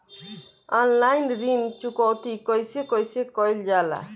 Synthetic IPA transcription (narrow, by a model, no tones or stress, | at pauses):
ɔnlajnɾint͡ʃukɔwt̪ikɔjsekɔjsekɔjld͡ʒala̰